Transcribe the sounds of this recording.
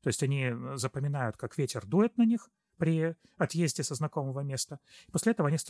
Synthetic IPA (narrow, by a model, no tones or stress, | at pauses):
t̪o̞ɪsʲtʲɐnʲizəpəmʲɪnajʊt̪kakvʲetʲɪrd̪ujɪt̪̚nɐnʲix | pɾʲɪ | ɐt̪jezʲdʲɪsəznɐko̞məvəmʲe̞st̪əɪ̥posʲlʲɪɛt̪əvəɐnʲis